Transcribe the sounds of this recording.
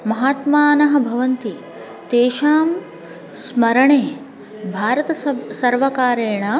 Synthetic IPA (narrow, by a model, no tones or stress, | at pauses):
mɐɦaːt̪maːnɐɦɐ̆bʱɐʋɐnt̪i | t̪eːʃaːm | smɐɾɐɳeː | bʱaːɾɐt̪ɐsɐɾʋɐkaːɾeːɳɐ